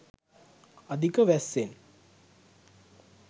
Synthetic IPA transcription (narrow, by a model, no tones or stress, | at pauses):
ɐd̪ʱikəʋæsːen